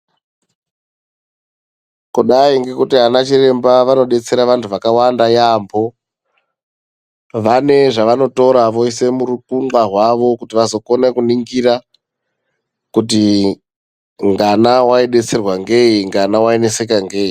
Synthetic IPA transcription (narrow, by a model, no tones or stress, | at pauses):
kuɗaiŋɡe̞kutiɦanat͡ʃire̞mbaʋano̞ɗe̞t͡se̞ɾaʋantʰuʋakawandajambo̞ | ʋane̞ʐaʋano̞to̞ɾaʋo̞ise̞muɾukuŋarwaʋo̞kutiʋazo̞ko̞nekuniŋɡira | kuti | ŋɡanawaiɗe̞t͡se̞rwaŋɡe̞iŋɡanawaenese̞kaŋɡe̞ːi